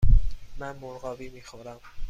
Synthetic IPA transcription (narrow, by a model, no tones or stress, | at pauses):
mænmoɾɢɒːviːmiːxoɾæm